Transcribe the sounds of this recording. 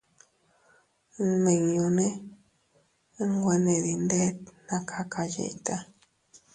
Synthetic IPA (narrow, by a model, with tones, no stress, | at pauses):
mẽ˨ŋũ˧nẽ˦ | ŋɡʷe˧nẽ˨d̪i˧nd̪e˦t̪nã˧kʰa˧kʰa˧jḛ˨t̪a˦